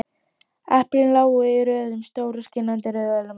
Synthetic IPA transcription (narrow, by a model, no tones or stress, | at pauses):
ɛhplɪnlaːwɪɾœːðʏmst̪oːwɾʏscɪnːant̪ɪɾɛðvɛlʏm